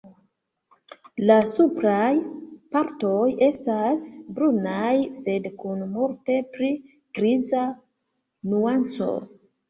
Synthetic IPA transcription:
lasupɾajpaɾto̞je̞stasbɾunajse̞dkunmuɾte̞pɾi | kɾiza | nuant͡so̞̰

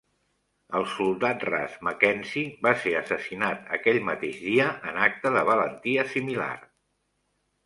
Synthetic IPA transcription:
əlˠsulˠd̪at̪ra̰zməkɛnsiβaseəsəsinat̪ə̰kɛʎmə̰t̪eʒðiəʔənak̚t̪əðəβələnt̪iəsimila̰r

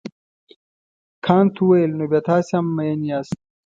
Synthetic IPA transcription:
kʰɑːnt̪ʰuwajelnoːbjaːt̪aːseamːɐjɐniaːst̪̚

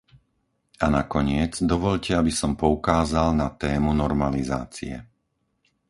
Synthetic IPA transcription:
anakɔɲɪɛd͡zd̪ɔʋɔʎcɛabisɔmpɔukaːzalnat̪ɛːmunɔɾmaliza̰ːt͡sḭɛ̰

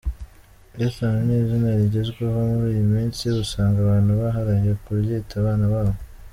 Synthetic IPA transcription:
esanineːzinaɾiɟe̞zɡweɦo̞muɾiːjumiːnsiusaːŋɡaβaːnhuβaɦaɾajekuβjeːtaβaːnaβaːβo

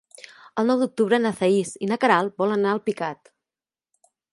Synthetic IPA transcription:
əlˠnɔwd̪uk̚t̪uβɾənəθəisinəkəɾalˠbɔlənaəlˠpikat̪

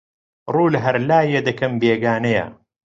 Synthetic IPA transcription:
rˤuːlɦɐɾlaːjed̪ɐkʰɐmbeːɡaːnɐjɐ̰

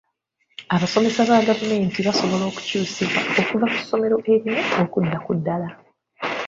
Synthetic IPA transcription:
aβaso̞me̞saβaɡavume̞ːntiβaso̞βo̞lo̞ːku̥cuːsiβwao̞kuvaku̥sːo̞me̞ɾo̞ʔe̞ɾino̞okudːakudːala

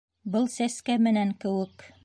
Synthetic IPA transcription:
bɤlˠsæskæmɘ̆næŋkɘ̆wɘk

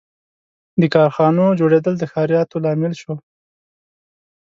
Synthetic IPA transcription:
d̪əkɑɾxɑnod͡ʒoɽed̪əld̪əxɑɾijɑt̪olɑmɪlʃo

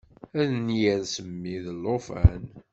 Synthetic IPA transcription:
æðnjæɾsəmːiðəlːofæ̰n

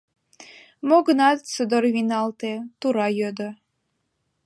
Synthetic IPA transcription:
moɡənɑt̪səd̪ərβinɑlt̪et̪uɾɑjød̪ə

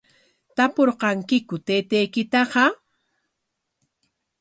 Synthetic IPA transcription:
t̪apoɾqɑŋkɪkʊt̪eːt̪ejkɪt̪ɑqɑ

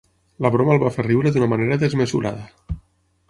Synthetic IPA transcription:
ləβɾoməlˠβaferiwɾəðunəmaneɾəðəzmezuɾʔa̰ðə

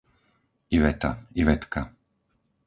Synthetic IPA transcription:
iʋɛt̪aiʋɛt̪ka

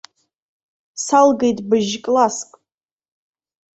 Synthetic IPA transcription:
salɡejtʼbɨʒkʼlaskʼ

